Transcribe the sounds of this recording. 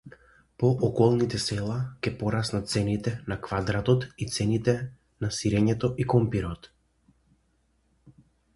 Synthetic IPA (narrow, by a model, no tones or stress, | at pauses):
pɔʔɔkɔlˠnit̪ɛsɛlˠakɛpɔɾasnat̪̚t̪sɛnit̪ɛnakvad̪ɾat̪ɔt̪it̪sɛnit̪ɛ | nasiɾɛɲɛt̪ɔʔikɔmpiɾɔt̪